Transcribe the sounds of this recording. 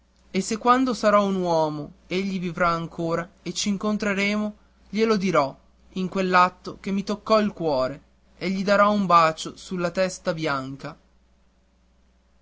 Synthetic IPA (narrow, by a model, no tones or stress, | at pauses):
esːekːwand̪osaɾɔunwɔːmoeʎːivivɾaːŋkʰoːɾaet͡ʃiːŋkont̪ɾeɾeːmo | ʎelod̪iɾɔ | iŋkwelːat̪ːokemːit̪okːɔilkwɔːɾe | eʎːid̪aɾɔumbaːt͡ʃosulːat̪ɛst̪abjaŋka